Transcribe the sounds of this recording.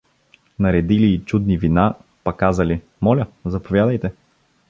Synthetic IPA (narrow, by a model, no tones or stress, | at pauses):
nɐɾɛd̪iliːt͡ʃud̪nivinapɐkazəli | mɔlʲəzɐpovjad̪əjt̪ɛ